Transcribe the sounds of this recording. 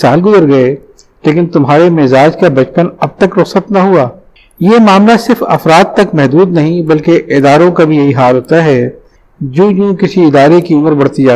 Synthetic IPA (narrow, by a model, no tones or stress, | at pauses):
saːlɡʊzəɾɡɐe | leːk̬ɪnt̪ʊmɦaːɾemɪzaːd͡ʒkabɐt͡ʃpənɐb̚t̪ɐkɾʊqsət̪naɦuaː | jemaːmlasɪɾfɐ̰fɾaːd̪̚t̪ɐkmɛɦd̪uːd̪nɐɦĩbɐlkeʔɪd̪aːɾõkabʱijɐɦiɦaːlɦoːt̪aɦɛ | d͡ʒõːjõːkɪsiɪd̪aːɾekiʊməɾbɐɽ̤t̪id͡ʒaː